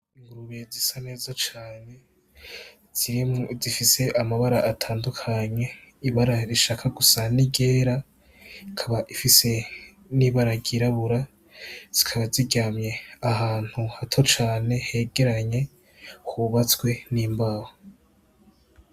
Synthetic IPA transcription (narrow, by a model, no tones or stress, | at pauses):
iŋɡuɾuβezisane̞ːzat͡ʃaːne̞ | z̥iɾimozifise̞ʔamaβaɾaʔːtʰaːndukʰaɲe̞iβaɾaɾiʃaːkʰaɡusaniɡe̞ːɾa | ikʰaβaʔifise̞ | niβaɾaɡiɾaβuɾa | z̥ikʰaβaziɟamɲe̞aɦaːn̥huhatʰo̞t͡ʃaːne̞he̞ɡe̞ɾaɲe̞ | kʰuβat͡sɡwe̞niːmbaho